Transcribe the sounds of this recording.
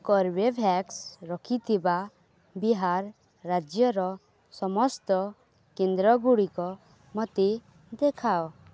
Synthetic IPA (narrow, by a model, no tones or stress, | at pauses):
kɔɾbebʱɛksɾɔkʰit̪ʰiba | biɦaɾː | ad͡ʒjɔɾɔ | sɔmɔst̪ɔ | kend̪ɾɔɡuɽikɔ | mɔt̪e | d̪ekʰao